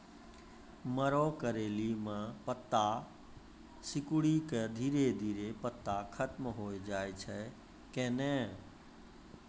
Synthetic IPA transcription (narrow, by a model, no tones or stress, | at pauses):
məɾokəɾeːlimãpət̪ːa | sɪkʊɽikəd̪ʱiːɾed̪ʱiːɾepət̪ːakʰət̪mɦoːed͡ʒaːet͡ʃʰɛ | kɛ̃ːnɛ̃